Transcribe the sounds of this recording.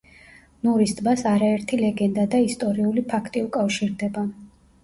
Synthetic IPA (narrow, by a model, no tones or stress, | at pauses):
nuɾist̪ʼbasaɾaɛɾt̪ʰilɛɡɛnd̪ad̪aist̪ʼɔɾiulipʰakʰt̪ʼiukʼafʃiɾd̪ɛba